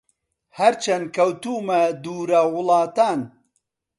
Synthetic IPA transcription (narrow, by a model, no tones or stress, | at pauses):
hɐɾt͡ʃʰɐnkɐwt̪uːmɐd̪uːɾɐwʊlɑːt̪aːn